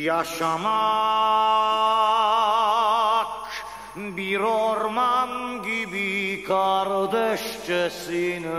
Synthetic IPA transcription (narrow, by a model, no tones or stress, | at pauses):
jaʃama | k | biɾɔɾmamɡibikaɾd̪ɛʃt͡ʃɛsin